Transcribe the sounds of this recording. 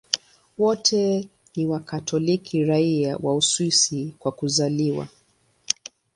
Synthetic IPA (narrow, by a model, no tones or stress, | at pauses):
wɔtʰɛ | niwakatʰɔlikʰiɾaiawauswisikwakuzaliwa̰